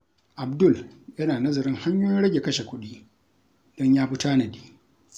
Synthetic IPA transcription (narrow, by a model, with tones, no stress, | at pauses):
ʔa˨bdʊ˦˨ljɐ˦naː˨nɐ˦zɐ˨ɾɪ˦ŋha˦ɲjoː˦jɪ˦nɽɐ˦ɡʲe˨kɐ˦ʃe˨kʷʊ˦ɗiː˦ | d̥ɔ˦ɲjaː˦ɸʊ˦taː˦nɐ˨diː˦